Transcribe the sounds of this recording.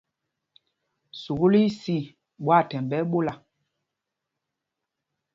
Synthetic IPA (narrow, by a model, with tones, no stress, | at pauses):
su˨ɣu˦li˦si˦˨ | ɓwa˦˨tɛ˨mbɛ˦ɓo˦la˨